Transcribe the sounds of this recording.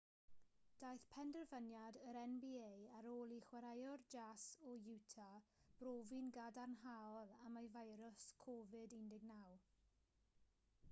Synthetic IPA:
d̥ajθpʰɛndərvənjadəɾɛnbiejaɾoːlˠiχwaɾajɔrd͡ʒasɔjuwtʰab̥roːvinɡadarnɦaɔlˠamajvajɾʊskʰɔvɨdindɪɡnaw

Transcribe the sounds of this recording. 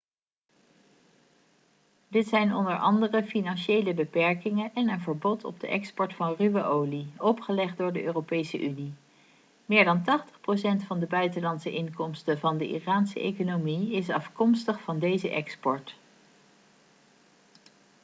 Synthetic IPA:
dɪtsɛjnɔ̰ndəɹʔɑ̰ndərəfinɑnʃejləbəpɛɹkɪŋənʔɛnənvəɹbɔtʰɔ̰b̚də̰ʔɛkspɔɹtfɑnryʋəʔowliɔpχəlɛχd̚dʊːɹdəʔøːropejsəʔyni | mɪːɹdɑntɑχtə̥χprowsɛntfɑndəbœɥtəlɑnsəʔɪŋkɔmstəvɑndəʔḭraːnsə̰ʔḛjkonomiɪsɑfkɔmstəχfɑndejzəʔɛkspɔɹt

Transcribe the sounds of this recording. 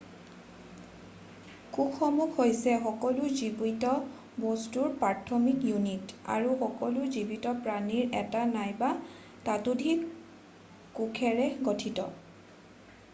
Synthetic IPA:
kukʰːɔmukhojsɛxɔkɔluzibujtɔ | bostuɹpatʰɔmikjunita̰ɹuxɔkɔluzibitɔpɹaniɹɛtanajba | tatudʱik | kukʰɛɹɛɡotʰitɔ̰

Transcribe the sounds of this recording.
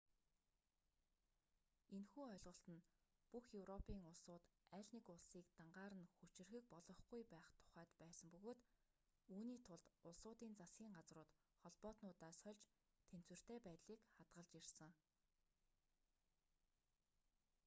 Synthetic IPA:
enxuːœɮʁə̆ɬt̪ə̆n | puxjɵwrɔpʰiːŋʊɮsʊːt̪æɮʲnɪkʊɮsiːk̚t̪aɴɢaːɾə̆nxut͡ɕɪ̆rxɘ̆k̚pɔɮɞ̆χɡujpæːχt̪ʰʊ̥χæːt̪pæːsə̆mpɵɣoːt̪ | uːniːt̪ʰʊɮt̪ʊɮsʊːt̪iːnt͡sasɡʲiːŋɢat͡srʊːt̪ | χɔɮpɔːt̪nʊːt̪aːsœɮʲt͡ɕ | t̪ʰen̥t͡swɘ̆r̥t̪ʰeːpæːt̪ɮiːkχat̪ɢə̆ɮt͡ɕirʲsə̆ŋ

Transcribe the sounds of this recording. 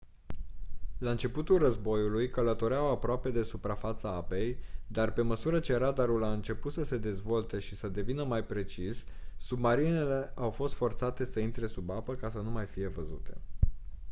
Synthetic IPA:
laɨnt͡ʃe̞put̪ulrəzbo̞julujkələt̪o̞ɾeawapɾoape̞d̪e̞supɾafat̪səape̞jd̪arpe̞məsuɾət͡ʃe̞ɾad̪aɾulaɨnt͡ʃe̞put̪səse̞d̪e̞zvo̞lt̪e̞ʃisəd̪e̞vinəmajpɾe̞t͡ʃisːubmaɾinele̞ʔawfo̞st̪fo̞rt̪sat̪e̞səint̪ɾe̞subapəkasənumajfije̞vəzṵt̪e̞̰

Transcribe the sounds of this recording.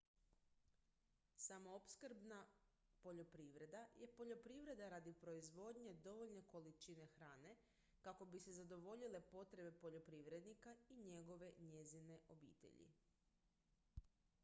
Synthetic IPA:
samoopskɾbnapo̞ʎo̞pɾiːʋɾe̞d̪ajepo̞ʎo̞pɾiʋɾe̞d̪aɾad̪ipɾo̞izʋo̞d̪ɲe̞d̪o̞ʋo̞ʎne̞ko̞lit͡ʃine̞xɾaːne̞ | kako̞bise̞zad̪o̞ʋo̞ʎile̞po̞t̪ɾe̞be̞po̞ʎo̞pɾiːʋɾe̞d̪nikaiɲe̞ɡo̞ʋe̞ɲe̞zine̞ʔo̞bḭːt̪ḛʎḭ

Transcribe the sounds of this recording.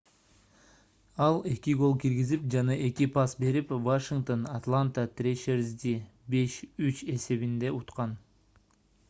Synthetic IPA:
ɑlˠe̞kʲiɡo̞lˠkiɾɡizip̚d͡ʒɑnɑʔe̞kʲipasbe̞ɾipvoʃiŋɡt̪onat̪lˠant̪at̪rʲeʃeɾzd̪ʲi | be̞ʃyt͡ʃe̞se̞βind̪e̞ut̪qɑn

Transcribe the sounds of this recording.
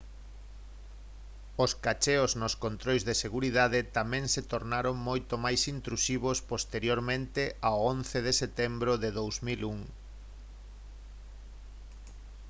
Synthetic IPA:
oskat͡ʃeoznoskont̪ɾojzðeseɣuɾiðaðet̪amɛ̃ŋset̪oɾnaɾoŋmojt̪omajsint̪ɾusiβ̞ospost̪eɾjoɾmẽnt̪eʔaoonθeð̞eset̪ɛmbɾoðeðowzmiluŋ

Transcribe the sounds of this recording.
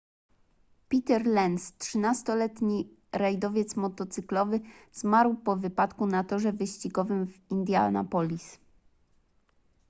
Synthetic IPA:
pʲit̪ɛɾlɛnstʂɘnast̪ɔlɛt̪ɲi | ɾɛjd̪ɔvʲjɛt̪smɔt̪ɔt̪sɘklɔvɘz̥maɾwpɔvɘpat̪kunat̪ɔʐɛvɘɕt͡ɕiɡɔvɘmvind̪ʲja̰lna̰pɔlʲis

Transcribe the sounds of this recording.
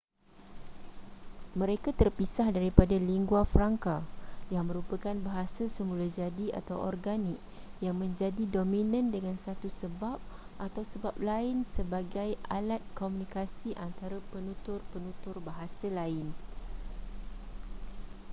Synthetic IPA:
mə̃ɾekat̪ərpisahdaɾipadaliŋɡuafɾaŋkajaŋmə̃ɾupakanbaɦasasəmũlad͡ʒadia̰t̪awɔ̰rɡanik̚ | jaŋmə̃ɲd͡ʒadidomĩnãndəŋãnsat̪usəbap̚ʔat̪awsəbap̚laɪnsəbaɡajalat̪̚komũnikasiʔant̪aɾapənũt̪ʊrpənũt̪ʊrbaɦasalaɪn

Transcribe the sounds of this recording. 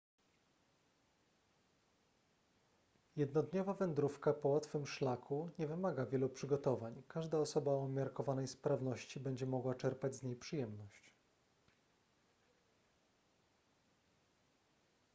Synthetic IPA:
jɛd̪nɔd̪ɲɔvavɛnd̪ɾufkapɔwat̪fɘmʂlakʰuɲɛvɘmaɡavʲjɛlupʂɘɡɔt̪ɔvaɲkaʐd̪aɔsɔbaɔmʲjaɾkɔvanɛjspɾavn̪ɔɕt͡ɕibɛɲd͡ʑɛmɔɡwat͡ʂɛɾpad͡ʑzɲejpʂɘjɛmnɔɕt͡ɕ

